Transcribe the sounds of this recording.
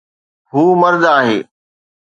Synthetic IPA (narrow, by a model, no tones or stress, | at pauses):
ɦuːməɾd̪aːɦḛː